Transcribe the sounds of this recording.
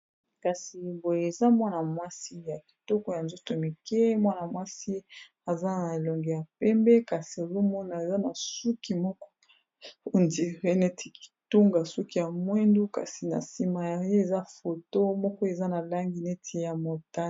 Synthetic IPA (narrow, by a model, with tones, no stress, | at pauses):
ka˨si˨bo˨je˨e˨za˦mwa˦na˨mwa˦si˦ja˨ki̥˨tɔ˦kɔ˦ja˨nzo˦to˨mi˨kɛ˦mwa˦na˨mwa˦si˦ | a˨za˦na˨e˨lɔ˨ŋɡe˨ja˨pɛ˦mbɛ˦ka˨si˨e˨zo˦mɔ˦na˨e˨za˦na˨su˦ki˨mɔ˦kɔ̥˦˨ | ndi˨ʁe˦ne˦tʰi̥˨ki̥˨tu˦ŋɡa˨su˦ki˨ja˨mwe˦ndu˦ka̰˨si˨na̰˨si˨ma˨ja˨je˦e˨za˦fo˨to˦mɔ˦kɔ˦e˨za˦na˨la˦ŋɡi˨ne˦tʰi˨ja˨mo˨ta˦